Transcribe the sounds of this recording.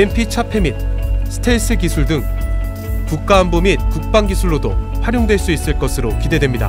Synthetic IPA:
empʰit͡ɕʰapʰe̞mit̚sʰɯ̥tʰe̞is͈ʰɯkisʰuɭdɯŋ | kuk̚k͈aːmbomit̚kuk̚p͈aŋɡisʰuɭːodo̰ɸwaɾjoŋdwe̞ɭs͈uis͈ɯɭk͈ʌsʰɯɾokide̞dwemɲida̰

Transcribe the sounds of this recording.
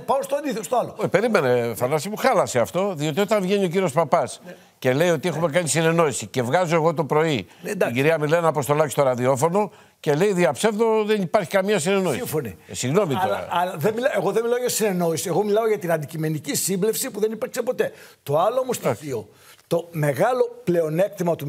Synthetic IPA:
pɐost̪oɐnd̪iθost̪oalope̞ɾime̞nefɐnɐsimuxɐlɐseɐft̪o̞ðio̞t̪io̞t̪ɐɱvʝenio̞ciɾio̞spɐpɐs | ce̞le̞io̞t̪ie̞xume̞kɐnisine̞no̞isice̞vɣɐzo̞eɣo̞t̪o̞pɾo̞id̪ɟiɾiɐmilenɐpost̪o̞lɐcist̪o̞ɾɐðio̞fo̞no̞ | ce̞le̞iðiɐpse̞vðo̞ðe̞nipɐɾçi̥kɐmɲɐsine̞no̞isifonisiɣno̞mit̪oɐ̰ɐlɐðemilɐeɣo̞ðemilaɐoʝɐsine̞no̞isieɣomilɐoʝɐt̪inɐnd̪icime̞nicisimblefsipuðe̞nipiɾksepo̞t̪e̞t̪o̞ɐloomosio | t̪o̞me̞ɣɐlo̞ple̞one̞k̚t̪imɐt̪u

